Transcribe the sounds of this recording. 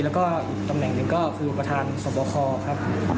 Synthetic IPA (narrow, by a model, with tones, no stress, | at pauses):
lɛ˦˥wkɔː˥˩ʔi˨˩k̚t̪a˧mnɛ˨˩ŋnɯ˧ŋkɔː˥˩kʰɯː˧pɾa˧t̪ʰaː˧nsɔː˩˦bɔː˧kʰɔː˧kʰa˦˥p̚